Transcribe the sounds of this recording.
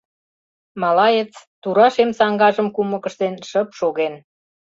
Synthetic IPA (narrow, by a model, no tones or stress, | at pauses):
mɑlɑjet͡st̪uɾɑʃemsɑŋɡɑʒə̆mkumə̆kə̆ʃt̪enʃəpʃoɣen